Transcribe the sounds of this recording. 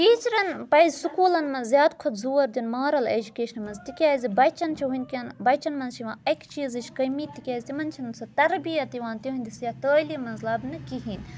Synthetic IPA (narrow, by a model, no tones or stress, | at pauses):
ʈiːt͡ʃɾɐnpɐjzʲsukuːlɐnmɐnzjaːd̪kʰot̪zuːɐɾd̪ʲunmaːɾɐlḛːd͡ʒukeːʃɐnmɐnzt̪ikʲaːzʲibɐt͡ʃɐnt͡ʃʰiɦunʲkʲɐnbɐt͡ʃɐnmɐnzt͡ʃʰiʋãːɐkt͡ʃiːzɨt͡ʃʰʲkɐjmiːt̪ːikʲaːzʲt̪imɐnt͡ʃʰɐnsɐt̪ɐɾbijɐt̪iʋãːnt̪iɦũnʲd̪isjat̪əːlimɐnzlɐːbnɨkiɦiːnʲ